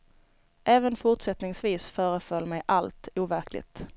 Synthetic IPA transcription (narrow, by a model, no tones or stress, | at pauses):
ʔɛːvənfʊʈʂɛt̪nɪŋsviːsfœːɾəfœlmɛjʔalt̪uːvæɾklɪ̰ɡt̪